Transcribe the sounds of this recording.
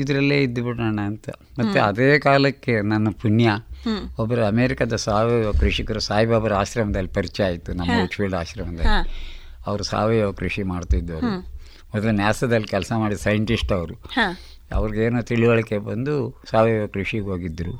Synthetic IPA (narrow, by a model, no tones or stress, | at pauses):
id̪ɐɾɐlːeːid̪ːɐbiɽɐːɳɐːnt̪ɐ | mɐt̪ːeɐd̪eːkaːlɐkːe̞nɐnːɐpuɳjɐɔbɐɾɐɐmeːɾikɐd̪ɐsaːʋeʋɐkɾuʂikɐɾusaːɦibaːbɐɾɐaːʃɾɐmɐd̪ɐlːipɐɾit͡ʃɛjaːjit̪ːunɐmːɐut͡ʃfilɖaːʃɾɐmɐd̪ɐlːi | ɐʋɐɾusa̰ːʋejʋɐkɾuʂimaːɽt̪id̪ːɐʋu | mɔd̪ɐlunjaːsɐd̪ɐlːikʲɛlsɐmaːɽisɐjɐɳʈisʈɐʋɐɾu | ɐ̰ʋɐɾiɡeːnoːt̪iɭiʋɐɭikebɐnd̪usaːʋejʋɐkɾuʂiɡɦoːɡid̪ːɾu